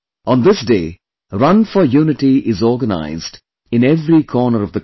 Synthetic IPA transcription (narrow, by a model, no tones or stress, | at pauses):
ʔə̃nd̪ɪsdeː | ɾʌ̃nfəjuːnɪʈiʔɪzɔːɾɡəna̰ɪzd | ɪ̃nɛvɾikʰɔːnəɾʌvd̪ə